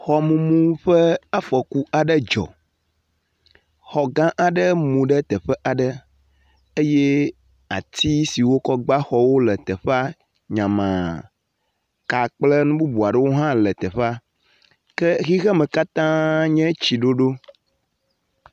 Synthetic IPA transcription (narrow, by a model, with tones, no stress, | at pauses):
xɔ˨mũ˨mũ˦ɸə˦a˦fɔ˨ku˦ʔa˨ɖə˦d͡ʒɔ̰˨ | xɔ˨ɡã˦ʔa˨ɖə˦mũ˨ɖə˦t̪ɛ˨ɸɛ˦ʔa˨ɖə˦ | e˦je˦ | a˨t̪ʰi˦si˨wo˦kɔ˦ɡ͡ba˦xɔ˦wo˦lə˨t̪ɛ˨ɸa˦ | ɲã˨mã̰˨ | ka˨k͡plə˦nũ˦bu˦bu˨a˨ɖə˦wo˦ɦã˦lə˨t̪ɛ˨ɸa˦ | kɛ˦ɣi˦ɣɛ˦mɛ̃˨ka˦t̪ã˦ɲɛ̃˦t͡ɕi˨ɖo˦ɖo˦